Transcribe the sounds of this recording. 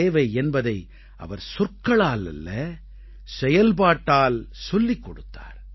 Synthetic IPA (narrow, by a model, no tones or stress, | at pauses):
eːʋɐɪɛnbɐðɐɪ | ʔɐ̰ʋɐɾsʊrkɐɭaːlɐ̰lːɐ | sɛjɐlpaːʈːaːlsɔlːɪkːɔɽɯt̪ːa̰ːɾ